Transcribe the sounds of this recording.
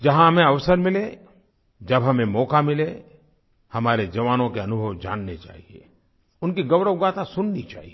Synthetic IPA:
d͡ʒɐɦãɦɐmẽɐʋsəɾmɪle | d͡ʒɐbɦɐmẽmɔːkamɪle | hɐmaːɾed͡ʒɐʋaːnõkeɐnʊbʱəwd͡ʒa̰ːnːet͡ʃa̰ːɦiḛ | ʊnkiɡɐwɾəwɡaːt̪asʊnːit͡ʃa̰ːɦie

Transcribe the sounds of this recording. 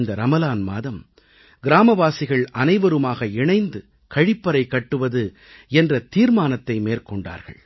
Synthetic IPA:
nd̪ɐɾɐmɐlaːnma̰ːðɐm | ɡɪɾaːmɐʋaːsɪɣɐɭʔɐnɐɪʋɐɾɯmaːɣɐɪɳɐɪnd̪ɯ | kɐɻɪpːɐɾɐɪkːɐʈːɯʋɐðɯ | ɛndrɐt̪iːɾmaːnɐt̪ːɐɪmeːrkɔɳɖa̰ːɾɣɐ̰ɭ

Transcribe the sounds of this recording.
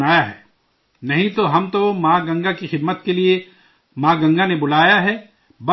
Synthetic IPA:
aːjaɦɛː | nɐɦĩt̪oɦɐmt̪omãːɡɐ̃ŋɡakixɪd̪mət̪kelie | mãːɡɐ̃ŋɡanebʊlaːjaɦɛː | b

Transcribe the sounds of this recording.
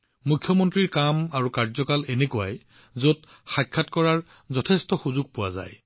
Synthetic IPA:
mukʰːjɔmɔntɹiɹkamaɹukaɹzɔkalenekua̰j | zot | xajkʰːatkɔɹaɹ | zɔtʰestɔxuzʊɡ̚pʊwaza̰j

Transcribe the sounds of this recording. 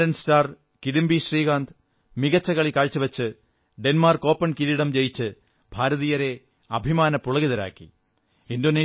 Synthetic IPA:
ɐnstaːr | kiɽimbiɕriːɣaːnd̪ | miɣɐt͡ɕːɐɣɐɭikaːɻt͡ɕːɨʋɐt͡ɕːɨ | ɖenmaːrko̞ːpːɐɳkiɾiɽɐmt͡ɕejit͡ɕːɨ | b̥ʱaːɾɐðijɐɾe̞ | ɐbʱimaːnɐpːuɭɐɣiðɐɾa̰ːkːḭ | indo̞ːneː

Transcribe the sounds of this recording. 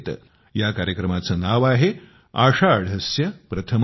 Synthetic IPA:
t̪ | jakaɾjəkɾəmat͡səːnaʋaɦe | aʂaɽʱɐsjɐpɾɐt̪ʰəm

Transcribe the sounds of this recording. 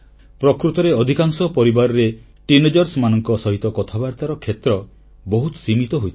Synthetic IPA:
pɾɔkɾut̪ɔɾeɔd̪ʱikaŋsɔpɔɾibaɾɔɾe | ʈined͡ʒɔɾsmanɔŋkɔsɔɦit̪ɔkɔt̪ʰabaɾt̪aɾɔkʰet̪ɾɔ | bɔɦut̪ɔ̥simit̪ɔɦojt̪ʰ

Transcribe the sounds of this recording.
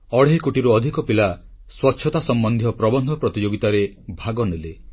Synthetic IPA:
ɔɽ̤eɦikuʈiɾuɔd̪ʱikɔpila | swɔtːʃʰɔt̪asɔmbɔnd̪ʱjɔpɾɔbɔnd̪ʱɔpɾɔt̪id͡ʒoɡit̪aɾebʱaɡɔnele

